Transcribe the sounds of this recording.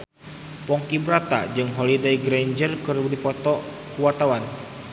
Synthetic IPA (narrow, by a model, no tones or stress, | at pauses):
pɔŋkibəɾat̪a̰d͡ʒɨŋɦolidejɡɾeɲd͡ʒərkərudipɔt̪ɔ | kuwart̪awan